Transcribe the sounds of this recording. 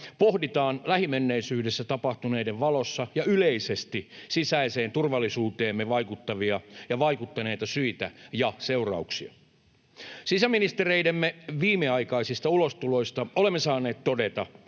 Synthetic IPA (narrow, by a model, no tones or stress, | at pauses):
pohdit̪ɑːnlæhimenːeisyːdesːæt̪ɑpɑht̪uneideʋʋɑlosːɑjɑyleisest̪isisæiseːnt̪urʋɑlːisuːt̪eːmːeʋɑikut̪ːɑʋiɑjɑʋɑikut̪ːɑne̞jt̪ɑsyit̪æ̰jɑseurɑ̰uksiɑ̰ | sisæminist̪ereidemːeʋiːmːeɑikɑisist̪ɑulost̪ulo̞ist̪ɑolemːesɑːne̞ːt̪t̪odet̪ɑ̰